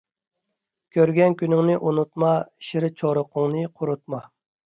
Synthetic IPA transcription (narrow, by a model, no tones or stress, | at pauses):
kʲʰøɾɡʲɛnkʲʰynɪŋnɪʔunut̪̚mɑiʃiɾɪt͡ʃʰoɾʊqʰʊŋnɨqʰʊɾut̪̚mɑ